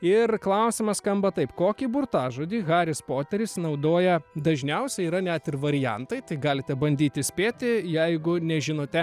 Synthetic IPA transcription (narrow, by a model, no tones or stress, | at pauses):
ɪrklˠɐʊsʲɪmɐsskɐmbɐt̪ɐɪpkoːkʲiːbʊrt̪ɑːʒoːd̪ʲiːɣɑːɾʲɪspoːt̪ʲɛɾʲɪsnɐʊd̪oːjɛd̪ɐʒʲnʲɛʊsʲɛiːɾɐnʲɛt̪ɪrʋɐɾʲɪjɛ̰nt̪ɐɪt̪ɐɪɡɑːlʲɪt̪ʲɛbɐnʲd̪ʲiːt̪ʲɪsʲpʲeːt̪ʲɪjɛɪɡʊnʲɛʒʲɪnoːt̪ʲɛ